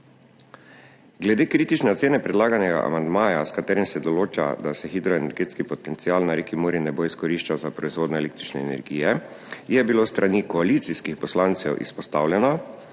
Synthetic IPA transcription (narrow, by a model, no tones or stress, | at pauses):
ɡlɛd̪eːkɾiːt̪it͡ʃnɛt̪seːnɛpɾɛd̪laːɡanɛɡa̰ʔa̰mand̪maːja̰skat̪ɛːɾimsɛd̪ɔloːt͡ʃa̰d̪asɛxid̪ɾɔenɛɾɡeːt̪skipɔt̪ɛnt̪sialnaɾekimuːɾinɛboiskɔɾiʃt͡ʃawzapɾɔizʋoːd̪nɔeleːk̚t̪ɾit͡ʃnɛːnɛ̰ɾɡiːjɛ | jɛbilost̪ɾʔanikɔalit̪siskixpɔslant̪sɛwʔḭspɔst̪awlʲjɛnɔ